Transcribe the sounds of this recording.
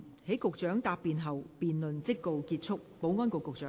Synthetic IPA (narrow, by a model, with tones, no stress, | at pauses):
he˨˥jkʊ˨k̚t͡ʃœː˨˥ŋt̪aː˨˧p̚ːiː˨nɦɐ˨wpiː˨nlɵ˨nt͡sɪ˥kːo˨wkiː˧t̚t͡sʰʊ˥k̚po˨˥wŋɔː˥nko˨˧wkʊ˨k̚t͡ʃœː˨˥ŋ